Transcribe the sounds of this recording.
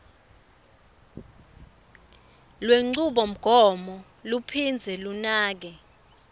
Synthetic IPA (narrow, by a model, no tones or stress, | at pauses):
lweŋ͡ǀuɓɔm̩ɡ̥ʱɔmɔ | lupʰind͡zʱɛlunaːk̬ɛ